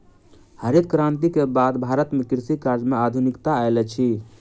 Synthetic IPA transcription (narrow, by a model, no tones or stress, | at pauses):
həɾjəd̪̚kɾant̪ikebad̪bʱaɾət̪mekiɾsikaɾd͡ʒmead̪ʱunikt̪aaelɛt͡ʃʰi